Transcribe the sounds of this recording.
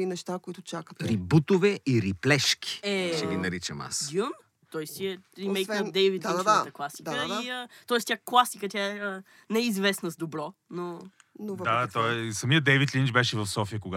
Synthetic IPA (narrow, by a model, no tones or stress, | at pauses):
inɛʃt̪akoit̪ʊt͡ʃakət̪ɾibut̪ovɛʔiɾiplɛʃk̟ʰi̥ɛʃt̪ɛɡʲinɐɾit͡ʃəma̰sd̪jum | t̪ɔjst̪iɛɾimɛjkd̪ɛjvit̪d̪aat̪əklˠasid̪əiət̪ɔɛst̪ʲaklˠasikət̪ʲaɛə | nɛizvɛsnəzd̪obɾɔno | novd̪at̪ɔsɐmiəd̪ɛjvit̪lint͡ʃbɛʃɛvɐfsɔfiəkoɡa